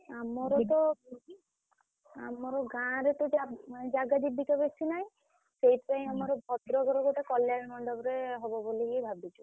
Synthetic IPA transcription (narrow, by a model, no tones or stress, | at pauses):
amɔɾɔt̪ɔ | a̰mɔɾɔɡãɾet̪uʈad͡ʒaɡad̪ibikabesinaj̃ | sejt̪paĩamɔɾɔbʱɔt̪ɾɔɡɔɾɔɡoʈakɔljaɾmɔɳɖɔbɾeɦɔbɔbolikibʱabit͡ʃʰu